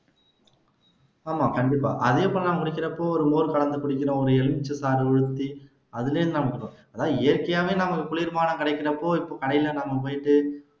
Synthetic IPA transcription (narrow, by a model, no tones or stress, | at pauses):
aːmaːkɐɳɖɪpːa̰ːʔɐðepɐnlaːmkʊɽɪkʲːɪɾɐpːoːɔɾɯmoːɾɯkɐɭɐnd̪ɯkʊɽɪkːɪɾõɔɾɯɛɻɯmɪt͡ʃːɯsaːɾɔɻɯt̪ːi | ɐðɪleːɾnd̪nɐmɐkːɯʈːõːɐðaːðeːɾkɐjaːʋeːnɐmɐkʊɭɪɾmaːnɐ̃kɪɽɐɪkːɪɾɐpːoːɪpːoːkɐɳɐjɪlɐnɐmɐp̬oːjɪʈːɯ